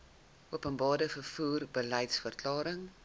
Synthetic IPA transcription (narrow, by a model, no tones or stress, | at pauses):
uəpənbɑːrdəfərfuːrbəlɛjtsfərklɑːɾəŋ